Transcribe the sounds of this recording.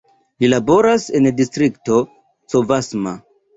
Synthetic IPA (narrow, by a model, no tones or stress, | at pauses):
lilabo̞ɾasendistɾikto̞ | t͡sovasma̰